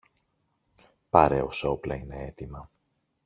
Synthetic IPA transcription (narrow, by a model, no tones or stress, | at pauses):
pɐɾe̞o̞so̞plɐine̞e̞t̪imɐ